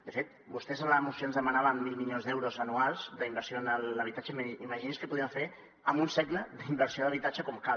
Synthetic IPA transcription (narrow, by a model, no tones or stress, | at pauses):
d̪əfet̪̚ | bust̪ɛzənləmusioənzðəmənaβəmːilˠmilʎonzðɛwɾozənualˠzd̪əimbəɾsijonələβ̞it̪at͡ʃəmiməʒiniskəpuðiəmɱfeɾ | əmunsɛɡləd̪imbəɾsioðəβit̪at͡ʃəkɔmka